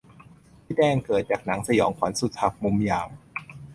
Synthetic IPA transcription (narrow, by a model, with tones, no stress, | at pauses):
siː˧˦˥dɛː˧ŋkɤː˨˩t̪̚t͡ɕaː˨˩k̚na˩˦ŋsa˧jɔː˩˦ŋkʰwa˩˦nsu˨˩t̪̚ha˨˧˩p̚mu˧mjaː˨˩w